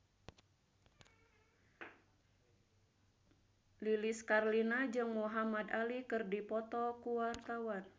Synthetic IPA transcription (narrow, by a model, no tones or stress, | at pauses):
liliskarlinad͡ʒɨŋmuɦamadalikɨrdipɔt̪ɔkuwart̪awan